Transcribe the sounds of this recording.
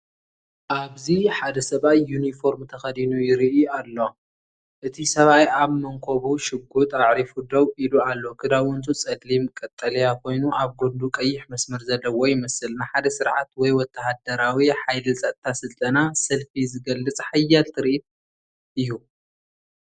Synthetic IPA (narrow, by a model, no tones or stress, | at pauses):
ʔaβziħad̪ɐsɐβajːunifo̞ɾmt̪ʰɐxɐd̪inujɪɾiʔalːo̞ | ʔɨt̪ʰisɐβajaβmɐŋkʰoβuʃɪɡut̪ʼaʕɾifud̪ɐwʔilualːo̞kʰɨd̪aβwɔnt̪ʰʼut͡sʼɐd̪limkʼɐt̪ʼːɐlɐjakʰo̞jnuʔaβɡund̪ukʼɐjːɪħmɐsmɐɾzɐlːɐwojɪmɐsɨlnaħad̪ɐsɨɾʕat̪wɔjwɔt̪ʰːɐhad̪ɐɾawiħajlɨsʼɐt̪ʼt̪ʰasɨlt̪ʼɐnasɐlfizɨɡɐlːɨt͡sʼħajːalt̪ʰɨɾiʔit̪̚ | ʔɨjːu